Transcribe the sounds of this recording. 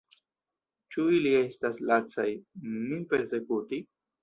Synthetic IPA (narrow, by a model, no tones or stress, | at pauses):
t͡ʃuilie̞staslat͡sajmipe̞ɾse̞kuti